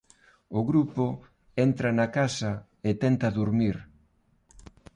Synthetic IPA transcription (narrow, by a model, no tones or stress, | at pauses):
ʊɣɾupo | ɛnt̪ɾɐnɐkasɐ | et̪ɛnt̪ɐðuɾmiɾ